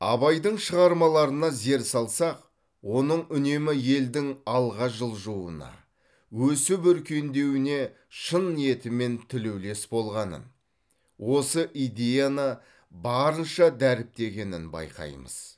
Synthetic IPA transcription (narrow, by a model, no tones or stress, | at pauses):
ɑ̰βɑjd̪əɴʃəʁɑɾmɑlˠɑɾənɑze̞ɾsɑlˠsɑq | wo̞nəɴʏne̞mɪje̞ld̪ɪŋɑlˠʁɑʒəlˠʒuə̰nɑ̰ | wɵsɪbʏɾkʲʰe̞nd̪e̞wɪne̞ | ʃənie̞t̪ɪme̞nt̪ʰɪlewle̞sbo̞lˠʁɑnə̰n | wo̞səʔijd̪ʲe̞janə | bɑɾənʃɑd̪æɾɪp̚t̪e̞ɡʲe̞nɪnbɑ̰jqɑ̰jmə̰z̥